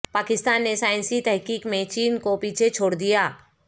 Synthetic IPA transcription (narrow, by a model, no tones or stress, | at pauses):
paːkɪst̪aːnːesaːɪ̃nsit̪ɛɦkiːkmẽt͡ʃiːnkopiːt͡ʃʰet͡ʃʰoːɽd̪ijaː